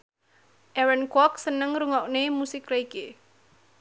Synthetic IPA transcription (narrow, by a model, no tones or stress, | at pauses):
ʔɛwɛnkɔk̚sənəŋɾuŋɔʔnemusɪkraike